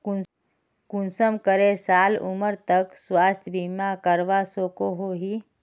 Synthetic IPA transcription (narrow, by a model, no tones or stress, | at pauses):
kun | kunsəmkəɾesalṵməɾt̪əkswast̪ʰjbimakəɾʋasokoɦoɦi